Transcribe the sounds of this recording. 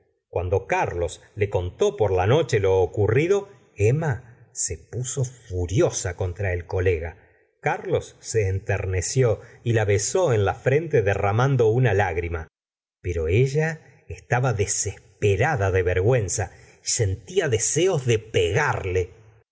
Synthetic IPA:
kwand̪o̞kaɾlo̞s | le̞ko̞nt̪o̞poɾlano̞t͡ʃe̞lo̞ːkuriðo̞ | emasepuso̞fuɾjosako̞nt̪ɾae̞lko̞leɣa | kaɾlo̞sːe̞ːnt̪eɾnesjo̞ilaβeso̞enlafɾe̞nt̪e̞ðeramand̪o̞unalaɣɾima | peɾo̞eʒa | est̪aβaðese̞hpeɾaðaðe̞βeɾɣwe̞nsa | ise̞nt̪iaðeseo̞zðe̞peɣaɾle̞

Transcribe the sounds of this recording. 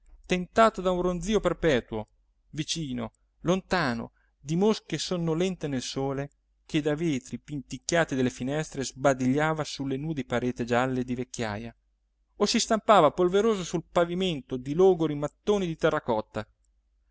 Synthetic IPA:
t̪ent̪aːt̪od̪aũnrond̪ziːoperpɛːt̪uo | vit͡ʃiːno | lont̪aːno̰ | d̪imosk̟esonːolɛnt̪enelsoːle | kʰed̪aveːt̪ɾipint̪ikːjaːt̪id̪elːefinɛst̪ɾezbad̪iʎːaːvasulːenuːd̪epaɾeːt̪ed͡ʒalːed̪ivekʲːja̰ːja | osist̪ampaːvapolveɾoːzosulpaviment̪od̪iloːɡoɾimat̪ːoːnid̪it̪ɛrːakɔt̪ːa

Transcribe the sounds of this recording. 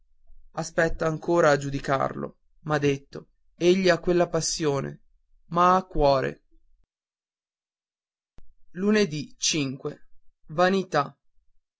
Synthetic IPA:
aspɛt̪ːaːŋkoːɾaːd͡ʒud̪ika̰rlo̰ | mad̪et̪ːo | eʎːiakːwelːapasːjoːnḛ | maakːwɔːɾḛ | luned̪it͡ʃiŋkwevanit̪a

